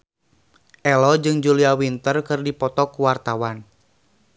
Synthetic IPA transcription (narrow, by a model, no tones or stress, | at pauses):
ʔɛlɔd͡ʒɨŋd͡ʒuliawint̪ərkɨrdipɔt̪ɔkuwart̪awan